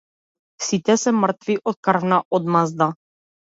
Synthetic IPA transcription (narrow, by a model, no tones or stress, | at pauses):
sit̪ɛsɛmrt̪viʔot̪̚kərvnaʔod̪mazd̪a